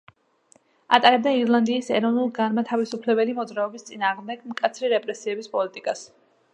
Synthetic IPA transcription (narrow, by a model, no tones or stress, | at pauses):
a̰t̪ʼaɾɛb̚d̪aiɾlˠand̪iːsɛɾɔvnulˠɡanmat̪ʰavisupʰlɛbɛlimɔd̪zɾaɔbist̪sʼinaːʁmd̪ɛɡmkʼat̪sʰɾiɾɛpʼɾɛsiɛbispʼɔlit̪ʼikʼas